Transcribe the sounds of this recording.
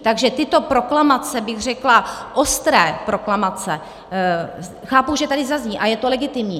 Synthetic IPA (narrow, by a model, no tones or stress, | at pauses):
t̪aɡʒɛt̪ɪt̪o̞pɾo̞klamat͡sɛbɪɣr̝ɛklaʔost̪ɾɛːpɾo̞klamat͡sɛ | xaːpuʒɛt̪adɪzazɲiːʔajɛt̪o̞lɛɡɪt̪ɪmɲiː